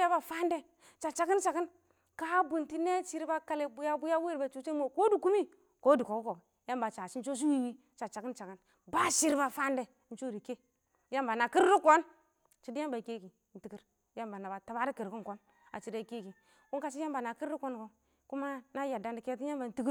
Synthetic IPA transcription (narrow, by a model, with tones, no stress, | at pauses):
a˦ba˨fa˦nde˦ | t͡ʃa˨t͡ʃa˨ki˦nt͡ʃa˨ɡi˦n | ka˦bu˨nti˦ne˦t͡ʃi˦ɾba˦ka˦le˦bu˦ja˦bu˦ja˦we˦ɾba˨t͡ʃu˦t͡ʃe˦mo˦˨ko˦du˨ku˦mi˦ | ko˦du˨ko˨ku˦ko˨ | ja˦mba˨t͡ʃa˨si˦n̩˦t͡ʃo˦s̬i˦wi˦wi˦ | t͡ʃa˨t͡ʃa˨ki˦nt͡ʃa˨ki˦n | ba˦ʃi˦ɾba˨fa˦nde˨˦n̩˦t͡ʃo˦ɾi˨ke˦ | ja˦mba˨na˨ki˦ɾi˦ko˦n | t͡ʃi˦di˦ja˦mba˨ke˦ki˨n̩˨ti˨ki˦ɾ | ja˦mba˨na˨ba˨ta˨ba˦ɾi˦ki˨ɾki˦ŋko˨˦n | a̰˨t͡ʃi˨da˨ke˦ki˨ | ku˦ŋka˨t͡ʃ̬i˦ja˦mba˨na˨ki˦ɾi˦ko˦nko˨ | ku˦ma˦na˦ja˨da˨ndi˨ke˦t̬i˦ja˦mba˨n̩˦ti˦ki˦